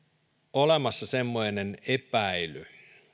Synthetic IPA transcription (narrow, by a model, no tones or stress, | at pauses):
olemɑsːɑsemːoinenepæily